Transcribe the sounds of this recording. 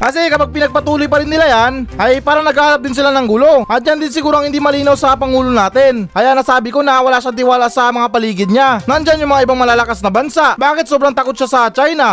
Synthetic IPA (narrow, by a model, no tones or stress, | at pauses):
kɐs̬ɛkɐpaɡ̚pɪnɐɡ̚pɐt̪uːlojpɐɾɪnːɪlajanʔɐjpaːɾɐnɐɡalɐp̚d̪ɪns̬ɪlanɐŋɡulo̞ʔɐt̪̚d͡ʒand̪ɪnsɪɡuːɾoɐŋhɪnd̪imɐliːnɐwsɐpɐŋuːlonaːt̪ɛnʔɐjanɐsaːbɪko̞nɐwɐlaːʃat̪̬ɪwaːlasɐmɐŋapɐliːɡɪd̪̚ɲanɐnd͡ʒanjʊŋmɐŋaʔɪbaŋmɐlaːlɐkasnɐbɐnsaʔbaːkɪt̪̚sobɾaŋt̪ɐko̞t̪̚ʃasɐt͡ʃajna